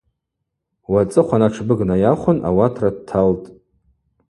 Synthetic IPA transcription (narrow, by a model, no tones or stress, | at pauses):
wat͡sʼɨχʷanaʈ͡ʂʰbɨɡnajaχʷʊna̰watʰradtʰaltʼ